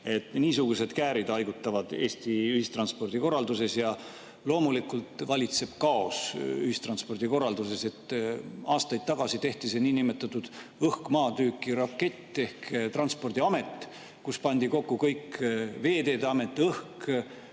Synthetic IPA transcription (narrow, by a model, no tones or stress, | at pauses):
e̞t̪ːˑniːsuɡ̥use̞d̪̥kæːɾid̪ɑjɡ̥ut̪ːˑɑvɑd̪̥e̞ːst̪iyhist̪ɾrɑnspo̞rd̪̥iko̞rːɑld̪use̞sjɑ | lo̞ːmulikːult̪vɑlʲit̪se̞b̥kɑosyhist̪ɾrɑnspo̞rd̪̥iko̞rɑld̪use̞se̞t̪ːɑːst̪ɑjd̪̥̚t̪ɑɡ̥ɑsit̪e̞ht̪iseniːnimet̪ːˑɑt̪ːˑud̪̥ɤhkmɑːt̪yːkːˑiɾɑkːe̞t̪ːˑe̞hkt̪rɑnspo̞rd̪̥iɑme̞t̪ːˑ | kuspɑnʲd̪̥iko̞kːukɤjkve̞ːd̪e̞ːd̪eɑme̞t̪ːˑɤhk